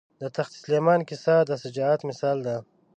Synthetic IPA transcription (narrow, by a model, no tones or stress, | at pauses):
d̪ət̪ʰaxt̪i̥slemɑnkɪsɑd̪əsɪd͡ʒɑat̪mɪsɑːld̪a